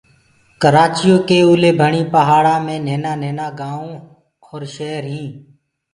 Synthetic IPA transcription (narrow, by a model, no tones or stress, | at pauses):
kəɾaːt͡ʃɪjõːkeːuːleːbʱəɳiːpəɦaːɽaːmẽːneːnaːneːnaːɡãːõː | oːɾʃeːɾɦĩː